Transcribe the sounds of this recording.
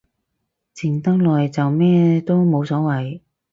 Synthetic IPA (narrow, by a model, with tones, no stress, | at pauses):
t͡sʰɪ˨˩ŋt̪ɐ˥ŋlɔː˨jt͡sɐ˨wmɛː˥t̪o˥wmo˨˧wsɔː˨˥wɐ˨j